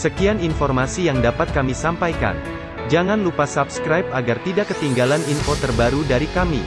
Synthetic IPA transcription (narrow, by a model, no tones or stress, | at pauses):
səkianinfɔrmasijaŋdapat̪̚kamisampajka̰n | d͡ʒaŋanlupasabskɾajp̚aɡart̪idakːət̪iŋɡalaninfot̪ərbaɾudaɾikamḭ